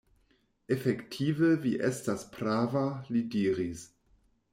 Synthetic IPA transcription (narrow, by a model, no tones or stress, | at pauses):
efektʰivəviʔestaspɾavalidiːɾis